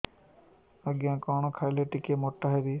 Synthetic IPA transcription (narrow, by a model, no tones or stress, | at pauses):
əɡjãːkɔːɳ̃okʰaɪleːʈɪkeːmoːʈːaːɦeːd̪iː